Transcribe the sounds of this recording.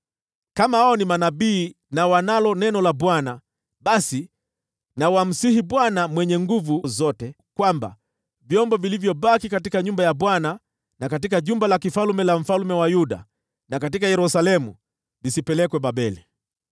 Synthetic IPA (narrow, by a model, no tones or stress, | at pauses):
kamahaɔnimanaɓiː | nawanalɔnɛnɔlaɓwana | ɓasi | nawam̩sihiɓwanamwɛɲɛŋɡuvuzɔtɛ | kwamba̰ | vjɔmbɔvilivjɔɓakikat̬ikaɲumbajaɓwana | nakat̬ikaʄumbalakifalumɛlam̩falumɛwajuɗa̰ | nakat̬ikajɛɾusalɛmu | visipɛlɛkwɛɓaɓɛli